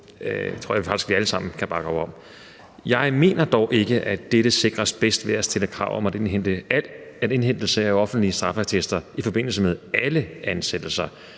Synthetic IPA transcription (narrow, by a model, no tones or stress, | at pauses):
t͡sʰo̰jɑfɑ̈ɡ̥d̥i̥sɡ̥ʋiæləsɑ̈m̰n̩kʰæb̥ɑ̈ɡ̥ɒʊɒ̽m̰ | jɑ̈ɪme̝̰ːnɐd̥ɒʊʔe̝ɡ̥əʔæd̥eɾ̥əse̝ɡ̥ʁɐsb̥esd̥ʋe̝æstʰeləkʰʁɑ̰̈ʊ̰ʔɒ̽mæde̝nɦen̰d̥əlæde̝nɦen̰d̥l̩səæɒ̽fn̩d̥liəsd̥ʁɑ̈fæt͡sʰesd̥ɐifɒ̽b̥e̝n̰l̩s̬əmeðˠæləænsed̥l̩sɐ